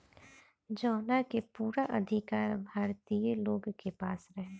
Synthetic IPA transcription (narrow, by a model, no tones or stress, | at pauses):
d͡ʒɔːnakepuːɾaʔɐd̪ʱɪkaːɾbʱaːɾt̪ijeloːɡkepaːsɾɐɦeː